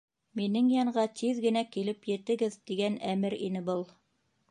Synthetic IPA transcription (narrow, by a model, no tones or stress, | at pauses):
minɘŋjɑɴɢɑt̪ʰiðɡɘ̆nækilɘpjɘ̆t̪ɘ̆ɡɘðt̪iɡænæmɘɾinɘbɤlˠ